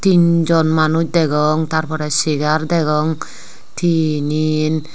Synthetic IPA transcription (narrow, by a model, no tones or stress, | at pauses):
t̪ind͡ʒɔnmanut͡ʃd̪ɛɡɔŋt̪aɾpʰɔɾɛsiɡaɾd̪ɛɡɔŋ | t̪ʰinin